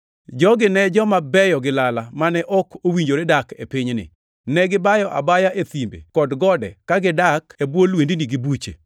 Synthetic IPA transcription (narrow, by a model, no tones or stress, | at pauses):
d͡ʒɔɡɪnɛd͡ʒɔmabɛjɔɡɪlalamanɛʔɔkʰowiɲd͡ʒoɾedakḛpɪɲnɪ̰ | nɛɡɪbajɔʔa̰bajaʔet̪imbḛkɔdɡɔdɛ̰kaɡɪdakebwolwendiniɡɪbut͡ʃḛ